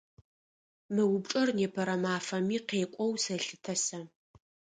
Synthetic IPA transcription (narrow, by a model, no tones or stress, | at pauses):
mɨwʊbʈ͡ʂʼɐrneːpʰɐɾɐmaːfɐmiːqeːkʷʼɔwsɐɬɨtʰɐsɐ